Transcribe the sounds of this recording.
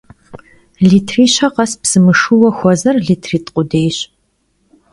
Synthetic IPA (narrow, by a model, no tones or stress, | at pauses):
ɮiːtʰriːɕɐqɐspsɨmɨʂuwɐxʷɔzɐrɮiːtʰriːtʼqʷʼʊdeːjɕ